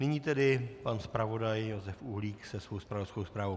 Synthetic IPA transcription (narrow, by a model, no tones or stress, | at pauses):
nɪɲiːt̪ɛdɪpanspɾavo̞dajːo̞zɛfʔuɦliːksɛsvowspɾavoskowspɾaːvow